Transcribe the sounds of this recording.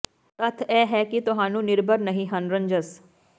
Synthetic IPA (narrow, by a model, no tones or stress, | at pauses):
ət̪ʰɛːɦɛːkɪt̪ʊɦaːnũːnɪɾbʱəɾnəɦĩːɦənɾəɲd͡ʒəs